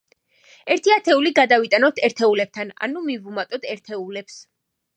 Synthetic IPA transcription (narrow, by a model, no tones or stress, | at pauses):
ɛɾt̪ʰiat̪ʰɛuliɡad̪avit̪ʼanɔt̪ʰɛɾt̪ʰɛulɛb̚t̪ʰana̰numivumat̪ʼɔt̪ʰɛɾt̪ʰɛulɛps